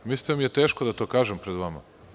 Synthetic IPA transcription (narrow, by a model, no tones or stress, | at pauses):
mist̪imijet̪eːʃkod̪at̪o̞ːkaːʒempɾed̪ʋama̰